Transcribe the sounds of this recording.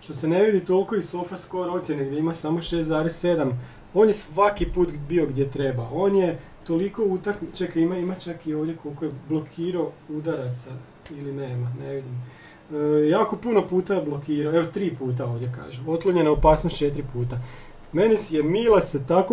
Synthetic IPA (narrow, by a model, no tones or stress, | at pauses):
ʃt̪o̞se̞ne̞ʋid̪it̪o̞lˠko̞isofasko̞ɾo̞t̪sjeneɡd̪jeimasamo̞ʃeːst̪zaːɾesse̞d̪am | o̞ːnjesʋakipuːt̪bio̞ɡd̪je̞t̪ɾe̞bao̞ːnje | t̪o̞liko̞ut̪aknit͡ʃekimaimat͡ʃakio̞ːʋd̪jeko̞lˠko̞jeblˠo̞kʰiːɾaoud̪aɾat̪sa | ilineːmane̞ʋid̪im | jaːko̞puno̞puːt̪ablˠo̞kiːɾaoeʋot̪ɾiːpuːt̪ao̞ːʋdjeka̰ːʒuo̞t̪lˠoɲenaopaːsnost̪t͡ʃet̪ɾipuːt̪a | me̞nisjemiːlˠaset̪ako